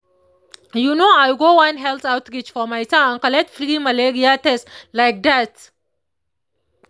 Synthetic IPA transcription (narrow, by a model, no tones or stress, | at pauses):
junoajɡowãnɦɛltawtɾit͡ʃfɔmajtããnkalɛtfɾimaleɾiatɛslajk̚d̪at